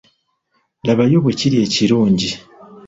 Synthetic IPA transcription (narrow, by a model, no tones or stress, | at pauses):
laβajo̞βweciɾie̞ːciɾuːɲɟi